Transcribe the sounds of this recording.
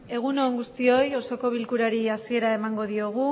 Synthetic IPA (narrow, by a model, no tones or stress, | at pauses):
e̞ɣ̞uno̞ːŋɡust̪io̞jo̞so̞ko̞β̞ilkuɾaɾiasie̞ɾaemaŋɡo̞ðio̞ɣ̞u